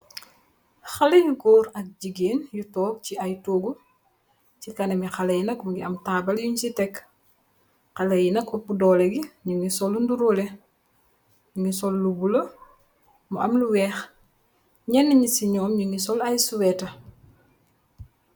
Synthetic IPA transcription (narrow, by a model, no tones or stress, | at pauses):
xɐlejuɡoːɾɐk̚ɟiɡeːnjutɔːk̚ciɐjtoːɡu | cikɐnɐmixɐlɐjinɐkmuɡiɐmtaːbɐljuɲsitɛk | xɐlɐjinɐk̚ːɔpudɔːlɛɡiɲuŋisɔlːunduɾoːlɛ | ɲuŋisɔlːubulɐ | muʔɐmluwɛːx | ɲɛnːiɲisiɲɔːmɲuŋisɔlɐjsuwɛːtɐ